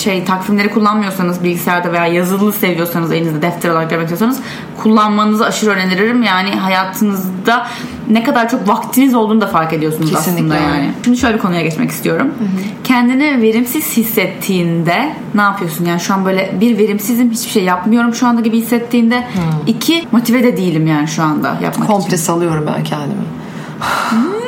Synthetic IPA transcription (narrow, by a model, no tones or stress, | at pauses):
ʃejt̪ʰakfimlʲe̞ɾikʰulˠːanmɯjo̞ɾsanɯzbilʲɟisɛæɾd̪ɛve̞jaːjazɯlˠːɯse̞vijo̞ɾsanɯzelʲinizd̪ɛd̪ɛft̪ʰɛɾolˠaɾak̚d̪emecsijosanɯz | kʰulˠːanmanɯnɯzaʃɯɾøːɾeniɾiɾimjaːnɪɦajaːt̪ʰɯnɯzd̪a | nɛkad̪aɾt͡ʃʰo̞kvakt̪ʰːinizo̞lˠd̪uːnd̪afaɾke̞d̪ijo̞sunzasɯnd̪ajaːnɪ̰ʃimd̪iʃøjlʲebikʰo̞nujaɟɛt͡ʃmɛ̰ci̥st̪ʰijo̞ɾumcʰɛnd̪inɪve̞ɾimsiz̥hisːɛt̪ʰːiːnd̪ɛ | naːpʰɯjo̞sunjaːniʃuanbøjlʲɛbiɾve̞ɾimsizimɦit͡ʃbiʃejːapmɯjo̞ɾumʃuand̪aɟibihisːɛt̪ʰːiːnd̪ɛicʰimo̞t̪ʰivɛd̪ɛd̪ijilʲimjaːniʃuand̪a̰ja̰pma̰kʰomplʲɛsalˠɯjo̞ɾumbæ̰ncʰɛnd̪ḭmɪ̰